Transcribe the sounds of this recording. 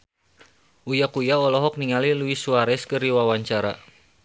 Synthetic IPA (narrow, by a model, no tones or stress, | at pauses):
ʔujakujaɔlɔɦɔk̚niŋaliluisuaɾɛskɨriwawaɲt͡ʃaɾa̰